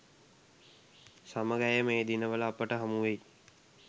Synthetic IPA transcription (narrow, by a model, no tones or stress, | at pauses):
saməɡæjəmeːd̪inəʋələːpəʈəɦamuʋej